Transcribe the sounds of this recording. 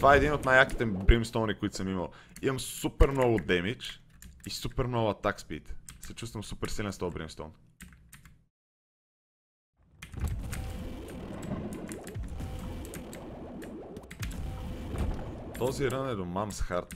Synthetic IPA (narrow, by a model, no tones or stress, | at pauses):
tt̪ovaɛd̪inot̪najaki̥t̪ɛbɾimst̪ɔnɾikʊit̪ʊ̥səmiməlˠ | iməmsupɛɾmnɔɡʊd̪ɛmit͡ʃisupɛɾmnɔvat̪akspḭt̪sɛt͡ʃust̪vəmsupɛɾsilɛnst̪ɔlˠbɾḭmst̪ɔ̰n | t̪ɔziɾɤnɛd̪omamsxaɾt̪